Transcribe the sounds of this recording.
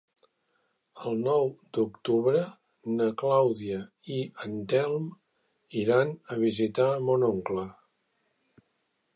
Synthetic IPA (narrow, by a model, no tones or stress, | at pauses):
əlˠnɔwd̪ukt̪uβɾə | nəklawðiəiənt̪ɛlˠm | iɾanəβ̞izit̪amonoŋklə